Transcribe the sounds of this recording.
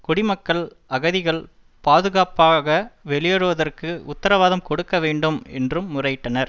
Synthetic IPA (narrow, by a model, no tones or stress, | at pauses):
kʊɽɪmɐkːɐɭ | ɐɣɐðɪɣɐɭ | paːðɯɣaːpaːɣɐʋɛɭɪjɐɻɯʋɐðɐrkɯʊt̪ːɐɾɐʋaːðɐmkɔɽɯkːɐʋeːɳɖɯmɛ̰ndrɯmːʊrɐjɪʈːɐnɐɾ